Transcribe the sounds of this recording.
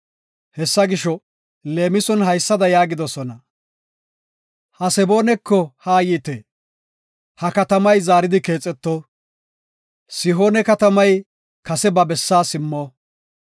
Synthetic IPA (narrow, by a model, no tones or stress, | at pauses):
hɛsːɐɡɪʃɔ | le̞ːmɪsɔnhɐjsːɐd̪ɐjaːɡɪd̪ɔsɔnɐ | hɐsɛbo̞ːnɛkːɔhaːjiːt̪eː | hɐkɐt̪ɐmɐjzaːɾɪd̪ɪke̞ːt͡sʼːɛt̪ːɔ | sɪɦo̞ːnɛkɐt̪ɐmɐj | kɐsɛbɐbɛsːaːsɪmːoː